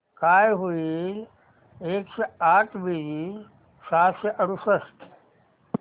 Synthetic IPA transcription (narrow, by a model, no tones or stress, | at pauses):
kaːjɦui | eːkseaːʈʰbii | saːseʔɐɾusəst̪ʰ